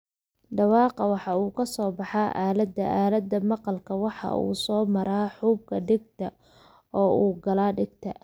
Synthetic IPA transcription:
ɖɑwɑːqɑwɑħɑuːkʰɐsɔːbɑħɑːʔaːlɐd̪ːɐʔaːlɐd̪ːɐmɑqɑlkʰɐwɑħɑ̰ṵːsɔːmɐɾaːħuːb̚kʰɐɖɪɡt̪ʰɐ | ɔːuːɡɐlaːɖɪɡt̪ʰɐ̰

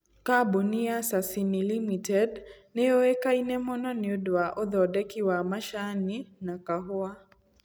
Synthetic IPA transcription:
kabuniasasinilimitɛdnɛoekainɛmɔnɔnɪodwaʔɔðɔdɛkiwamaʃaninakaɦoa

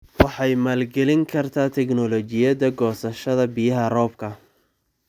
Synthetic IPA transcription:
wɑħɑjmaːlɡɛlɪŋkʰɐrt̪ʰaːt̪ʰɛknɔlɔt͡ʃɪjɐðɐɡɔːsɐʃɐðɐbɪjɐɦɐrɔːbkʰɐ

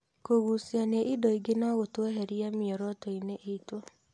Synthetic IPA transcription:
koɣuːsianeʔidɔiɡenaɣotwɛɦeɾiamjɔɾɔtɔineʔeitwɔ

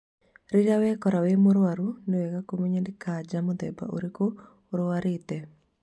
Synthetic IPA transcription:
ɾɪɡawɛkɔɾawemoɾwaɾunowɛkakomeɲandikʰad͡ʒamod̪ɛ̰ba̰ʔo̰ɾiko | ɾowaɾɪt̪ɛ

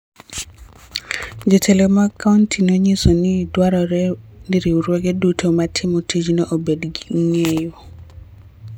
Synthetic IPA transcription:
d͡ʒetʰelemakʰauntʰinoɲisonidwaɾɔɾɛniɾiuɾweɡɛdutʰomatʰɪmɔtʰid͡ʒnɔʔobedɡiŋejo

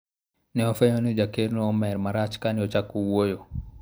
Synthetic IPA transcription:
nɛɔfɛɲonid͡ʒakeɾnɔɔmɛɾmaɾat͡ʃkaniɔt͡ʃakːuwojo

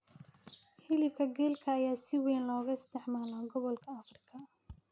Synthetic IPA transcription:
ħɪlɪb̚kʰɐɡɛːlkʰɐːjaːsɪwɛːnlɔːɣɐɪst̪ʰɛħmaːlaːɡɔβɔlkʰɐɐfrɪkʰɐ

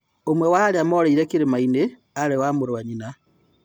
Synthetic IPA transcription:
omwewaɾeamoːɾeiɾekiɾemaine | aɾewamuɾwaɲina

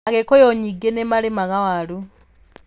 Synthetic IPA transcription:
aɣɛkɔjɔɲiɡɛnɛmalimaɣawaɺu

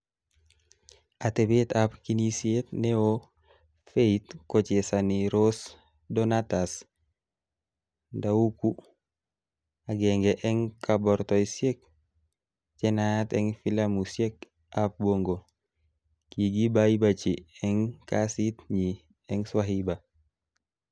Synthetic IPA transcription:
atebetapkinisetneo | feitkɔt͡ʃesaniɾos | dɔnatas | dauku | aɡɛŋɡɛʔɛŋkabɔɾtɔjsjek̚ | t͡ʃɛnatɛŋfilamusjek̚ | ʔap̚boŋɡo | kiɡibajibat͡ʃiɛŋkasitɲi | ɛŋswaɦiba

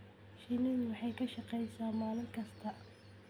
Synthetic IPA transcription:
ʃinɐðʊwɑħɑjkʰɐʃɑqɛjsaːmaːlɪŋkʰɐst̪ʰɐ

